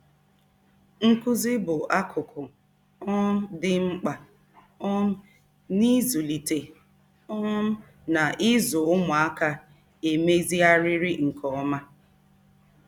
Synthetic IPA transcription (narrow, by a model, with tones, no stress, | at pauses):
ŋ̩˦kʊ˦zɪ˦bʊ˨ʔa˦kʰʊ˨kʰʊ˨ | ɔ˦dɪ˦ŋ͡m̩˦k͡pa˨ | ɔ˦m̩˦ | ni˦zu˨li˨te˨ | ɔ˦m̩˦ | na˨ʔɪ˦zʊ˨ʊ˦mʊ˨a˦ka˦ | e˨me˦zi˦a˦ɾɪ˦ɾi˦ŋ̩˨kʰɔ˨˦ma˦